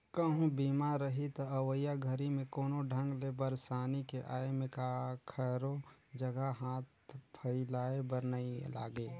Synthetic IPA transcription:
kəɦũbiːmaɾəɦit̪ɐəwəjaɡʱəɾimẽkoːnoɖʱə̃ŋɡlebəɾsaːnikeʔaːemẽkakʰəɾod͡ʒəɡaɦaːt̪pʰəɪlaːebəɾnəila̰ːɡeː

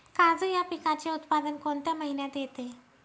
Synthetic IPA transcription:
kad͡zəjapikat͡ɕeut̪pad̪ənkoɳt̪jaməɦinjat̪jet̪e

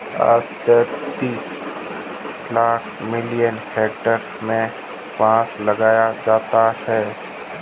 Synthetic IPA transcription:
a̰ːst̪ɛːt̪iːs | laːkʰmɪlijənheːk̚ʈəɾ | mẽ | pãːslɐɡaːjad͡ʒaːt̪ahɛː

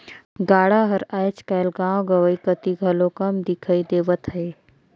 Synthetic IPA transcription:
ɡaːɽaɦəɾaːjt͡ʃkaːlɡãːwɡəʋəikət̪iɡʱɐlokɐmd̪ikʰəid̪eːʋət̪ɦəe

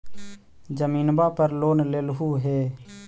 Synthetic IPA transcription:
d͡ʒəmiːnbaːpəɾloːnleːlɦuːɦeː

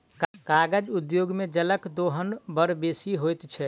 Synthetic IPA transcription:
kkaɡəd͡ʒud̪joɡmed͡ʒələkd̪oɦənbəɾbesiɦojt̪t͡ʃʰɛ

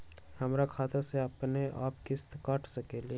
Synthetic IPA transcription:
hɐmɾakʰaːt̪aseɐpneʔa̰ːpkɪst̪kaːʈʰsɐkeli

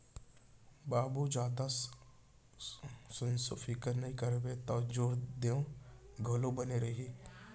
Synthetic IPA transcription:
baːbud͡ʒaːd̪a | sʊnsʊfʰɪkəɾnɐɦĩkəɾbet̪aːd͡ʒoːɾd̪eõɡʱolõbəneɾəɦiː

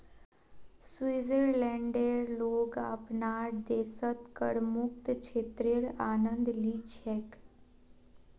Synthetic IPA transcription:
swiːzəɾlɛ̃ɳɖeɾloːɡa̰pnaːɾd̪eːsət̪kə̰ɽmʊk̚t̪t͡ʃʰeːt̪ɾɪɽaːnə̃nd̪liːt͡ʃʰeːk

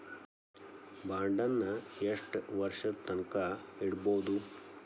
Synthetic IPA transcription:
baːɳɖɐnːɐeʂʈʋɐɾʂɐt̪ɐnkɐiɽboːd̪u

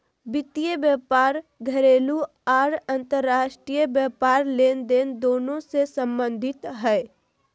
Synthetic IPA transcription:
bɪt̪ijəbjəpaːɾɡʱəɾeːlu | aːɾə̃nt̪əɾːaːʃʈɾijəbjəpaːɾleːnd̪eːnd̪oːnõsesə̃mbə̃nd̪ʱɪt̪ɦɛː

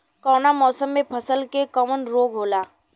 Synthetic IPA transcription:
kɔːnamɔːsəmːẽpʰəsəlkekɔmənɾoːɡʱɦoːlaː

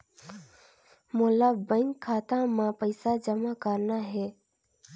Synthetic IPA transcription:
molabə̃ŋkʰːaːt̪ãmãpəɪsad͡ʒəmakəɾnaɦɛː

